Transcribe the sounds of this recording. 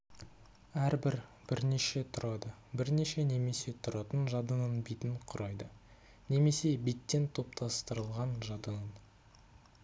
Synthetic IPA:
æɾbɪɾb̥ɪɾne̞ʃe̞t̪ʰʊɾɑd̪əbɪɾne̞ʃe̞ne̞me̞se̞t̪ʰʊɾɑt̪ənʒɑd̪ənənbijt̪ɪɴqʰʊɾʔɑjd̪ə | ne̞me̞se̞be̞t̪ːe̞nt̪ʰo̞p̚t̪ʰɑst̪əɾəlˠʁɑnʒɑd̪ənən

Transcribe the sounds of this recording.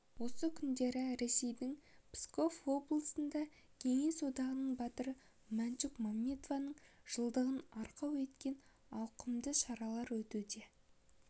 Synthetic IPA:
wo̞səkʲʰʏnd̪e̞ɾɪɾe̞se̞jd̪ɪŋpʰsko̞fwo̞blˠəsənd̪ɑ | kʲʰe̞ŋe̞sod̪ɑʁənəɴbɑt̪əɾə | mænt͡ʃukmammʲit̪ovɑnəɴʒ̥əlˠd̪əʁənɑɾqɑwe̞t̪kʲe̞nɑwqəmd̪əʃɑɾɑlˠɑɾwɵt̪ud̪e̞

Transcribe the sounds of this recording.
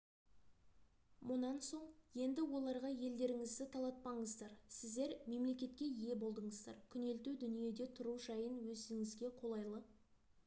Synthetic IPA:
mʊnɑnso̞ɴje̞nd̪ɪwo̞lˠɑɾʁɑje̞ld̪e̞ɾɪŋɪzd̪ɪt̪ʰɑlˠɑt̪̚pɑɴəzd̪ɑɾsɪzd̪e̞ɾme̞mle̞kʲe̞t̪̚kʲe̞ije̞bo̞lˠd̪əɴəzd̪ɑ̰ɾkʲʰʏne̞lt̪ud̪ʏnije̞d̪e̞t̪ʰʊɾuʒɑjənwɵsɪŋɪzɡʲe̞qʰo̞lˠɑjlˠə

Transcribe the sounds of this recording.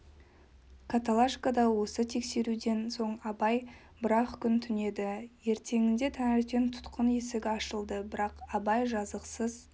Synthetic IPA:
kʰat̪alˠaʃkad̪ɑwo̞sət̪ʰe̞kse̞ɾud̪e̞nso̞ɴɑbɑj | bɪɾɑχkʲʰʏnt̪ʰʏne̞d̪ɪje̞ɾt̪ʰe̞ŋɪnd̪e̞t̪ʰæŋɪɾt̪ent̪ʰʊ̥t̪qənje̞sɪɡʲɪɑʃəlˠd̪əbɪɾɑqɑbɑjʒɑzəqsəz̥

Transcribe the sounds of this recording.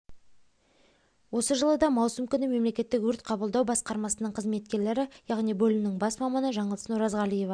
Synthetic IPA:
wo̞səʒəlˠəd̪ɑmɑwsəmkʲʏnɪme̞mle̞kʲe̞t̪ːɪkwɵɾt̪qʰɑbəlˠd̪ɑwbɑsqɑɾmɑsənəɴqʰəzme̞t̪kʲe̞ɾle̞ɾɪjɑʁnijbɵlɪnɪŋbɑsmɑmɑnəʒɑɴəlˠənuɾɑzʁɑlije̞vɑ

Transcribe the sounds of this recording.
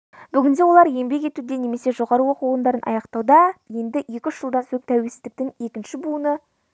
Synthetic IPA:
bʏɡʲɪnd̪e̞wo̞lˠɑɾje̞mbe̞k̬ʲe̞t̪ud̪e̞ne̞me̞se̞ʒo̞ʁɑɾəwo̞quənd̪ɑɾənʔɑ̰jɑqt̪ɑwd̪ɑje̞nd̪ɪje̞kʲɪʏʃʒ̥əlˠd̪ɑnsɵk̚t̪ʰæwe̞lsɪzd̪ɪk̚t̪ɪŋe̞kʲɪnʃɪbunə

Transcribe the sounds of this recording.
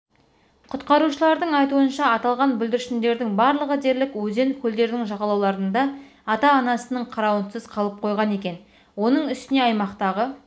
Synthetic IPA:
qʰʊt̪qɑɾuʃəlˠɑɾd̪əɴɑjt̪uənʃɑːt̪ɑlˠʁɑnbɪld̪ɪɾʃɪnd̪e̞ɾd̪ɪŋbɑɾlˠəʁəd̪e̞ɾlɪkwɵze̞nkʲʰɵld̪e̞ɾd̪ɪŋʒɑʁɑlˠɑwlˠɑɾənd̪ɑː | t̪ɑːnɑsənəɴqʰɑɾɑwənsəzqʰɑlˠəp̚qʰo̞jʁɑne̞kʲe̞n | wo̞nəɴʏst̪ɪne̞ɑjmɑqt̪ɑʁə

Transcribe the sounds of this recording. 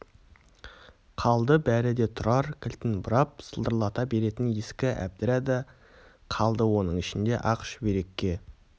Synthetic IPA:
qʰɑlˠd̪əbæɾɪd̪e̞t̪ʰʊɾɑɾkʲʰɪlt̪ɪnbʊɾɑp̚səlˠd̪əɾlˠɑt̪ɑbe̞ɾe̞t̪ɪnjeskʲɪʔæ̰b̚d̪ɪɾæd̪ə | qʰɑlˠd̪əwo̞nəɴɪʃɪnd̪e̞ʔɑqʃbeɾe̞kʲːe̞

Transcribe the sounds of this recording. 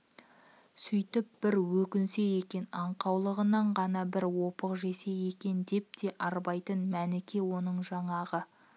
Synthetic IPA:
sʏjt̪ɪp̚b̥ɪɾwɵkʲɪnse̞je̞kʲe̞nɑɴqɑwlˠəʁənɑɴʁɑnɑbɪɾwo̞pəqʒe̞se̞je̞kʲe̞nd̪e̞p̚t̪e̞ʔɑɾbɑjt̪ənmænɪkʲe̞wo̞nəɴʒɑɴɑʁə

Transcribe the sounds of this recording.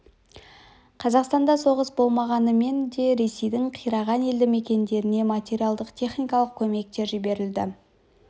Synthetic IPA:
qʰɑzɑqst̪ɑnd̪ɑso̞ʁəsbo̞lˠmɑʁɑnəme̞nd̪e̞ɾe̞se̞jd̪ɪɴqʰijɾɑʁɑne̞ld̪ɪme̞kʲe̞nd̪e̞ɾɪne̞mat̪ʲe̞ɾʲijalˠd̪əqt̪ʲʰe̞χnʲijkɑlˠəq̚kʲʰɵme̞k̚t̪e̞ɾʒɪbe̞ɾɪld̪ɪ

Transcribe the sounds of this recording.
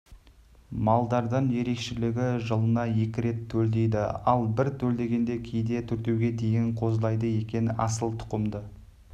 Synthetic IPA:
mɑlˠd̪ɑɾd̪əɴje̞ɾe̞kʃɪlɪɡʲɪʒəlˠənɑje̞kʲɪɾe̞t̪ʰːɵld̪e̞jd̪ɪ̰ɑlˠbɪɾt̪ʰɵld̪e̞ɡʲe̞nd̪e̞kʲʰejd̪e̞t̪ʰɵɾt̪e̞wɡʲe̞d̪e̞jɪɴqʰo̞zlˠɑjd̪əje̞kʲe̞nɪɑ̰səlˠt̪ʰʊ̥qəmd̪ə

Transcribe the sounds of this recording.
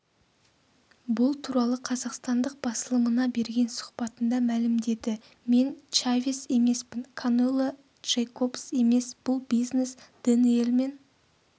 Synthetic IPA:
bʊlˠt̪ʰuɾɑlˠəqʰɑzɑqst̪ɑnd̪əq̚b̥ɑsəlˠəmənɑbe̞ɾɡʲe̞nsʊ̥qpɑt̪ənd̪ɑmælɪmd̪e̞d̪ɪ | me̞nt͡ʃavʲise̞me̞spɪnkʰonelˠo | ʒ̥ejkopse̞me̞sb̥ʊlˠbijznesd̪̥ɪne̞lmen

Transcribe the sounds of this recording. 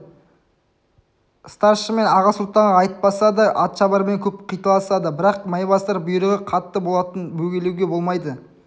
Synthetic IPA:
st̪ɑɾʃəme̞nɑʁɑsʊlˠt̪ɑɴɑɑjt̪̚pɑsɑd̪əʔɑt̪ʃɑbɑɾme̞ŋkʲʰɵp̚qʰijt̪ɑlˠɑsɑd̪əbɪɾɑq̚mɑjbɑst̪ɑɾbʊjəɾəʁəqʰɑt̪ːəbo̞lˠɑt̪ənbɵɡʲe̞lewɡʲe̞bo̞lˠmɑjd̪ə

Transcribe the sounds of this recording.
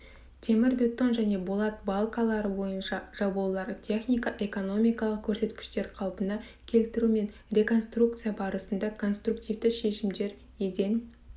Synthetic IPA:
t̪ʰe̞mɪɾbʲe̞t̪ːo̞nʒæne̞bolˠɑt̪̚bɑlˠkɑlˠɑɾəbo̞jənʃɑʒ̥ɑbulˠɑɾt̪ʲʰe̞χnijkɑʔe̞ko̞no̞mʲijkɑlˠəq̚kʲʰɵɾse̞t̪kʲɪ̥ʃt̪e̞ɾqʰɑlˠpənɑ | kʲʰe̞lt̪ɪɾume̞n | ɾʲe̞ko̞nst̪ruk̚t̪sɨjabɑɾəsənd̪ɑkʰo̞nst̪rukt̪ijvd̪ɪʃe̞ʃɪmd̪e̞ɾ | ed̪e̞n

